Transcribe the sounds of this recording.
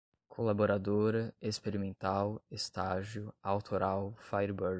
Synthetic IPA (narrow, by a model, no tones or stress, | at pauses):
kʰolaboɾad̪oɾɐespeɾimẽnt̪awest̪aʒjʊawt̪ʰoɾawfajɾboɾ